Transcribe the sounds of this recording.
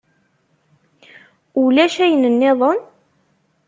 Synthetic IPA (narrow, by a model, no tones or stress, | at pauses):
ulæʃæjənənːɪðˤən